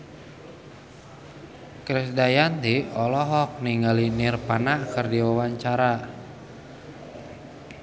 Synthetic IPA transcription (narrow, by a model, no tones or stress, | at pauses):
kɾɪsdajant̪iɔlɔɦɔk̚niŋɡalinɪrpanakɨrdiwawaɲt͡ʃaɾa